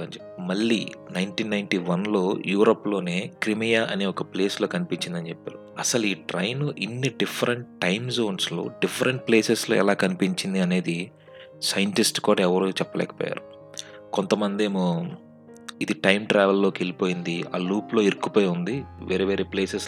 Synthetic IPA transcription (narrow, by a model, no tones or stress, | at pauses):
ɐnd͡ʒ | mɐɭːḭːnɐjnʈiːnːɐjnʈiːʋɐnlo̞ːjuːɾoːpːlo̞ːne̞ːkɾimijaːʔɐneːɔkɐple̞ːsloːkɐnipiɲt͡ʃind̪ɐnt͡ʃepːa̰ːɾuɐsɐluiːʈɾɐjnuʔinːiɖipʰːɐɾɐɳʈʈːɐjmzoːnslo̰ːɖipʰːɐɾɐɳʈ̚ple̞ːseslo̰ːɛ̰laːkɐnipiɲt͡ʃind̪iɐne̞ːd̪i | sɐjɐɳʈisʈkuːɽaːɛʋɐɾuːt͡ʃɛpːɐlɛ̰ːkɐ̥pɔ̰ːja̰ːɾu | kont̪ɐmɐnd̪eːmo | id̪iʈɐjmʈɾɛːʋɐlːo̞ːkielipoːjind̪ia̰ːluːplo̞ːiɾkːupoːjund̪iʋeːɾeːʋeːɾeːpleːses